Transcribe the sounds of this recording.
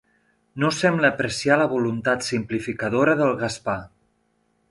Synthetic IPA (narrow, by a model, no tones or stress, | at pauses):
nosɛmbləːpɾəsialəβ̞ulunt̪at̪simplifikəðoɾəðəlˠɣəspa